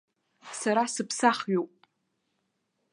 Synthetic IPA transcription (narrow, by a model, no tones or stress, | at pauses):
saɾasɨpʰsaχɥopʼ